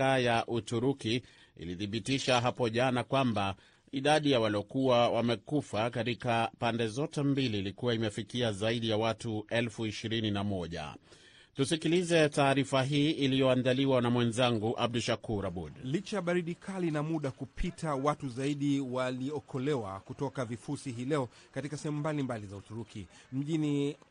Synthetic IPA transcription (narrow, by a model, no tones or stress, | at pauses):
ajaʔutuɾuki | ḭliθiɓitiʃaɦapɔʄanakwamba | iɗaɗijawaliɔkuwawamɛkufakatikapandɛzɔtɛmbiliːlikuwaimɛfikiazaiɗijawatuɛlfuiʃiɾininamɔʄa̰ | tusikilizɛtaːɾifaɦiːilijɔandaliwanamwɛnzaŋɡuʔab̚duʃakuɾabudlit͡ʃaɓaɾiɗikʰalinamuɗakupʰitʰawatuzaiɗiwaliɔkʰɔlɛwakutɔkavifusiɦiːlɛɔkatikasɛhɛmumbalimbalizautuɾukʰim̩ʄini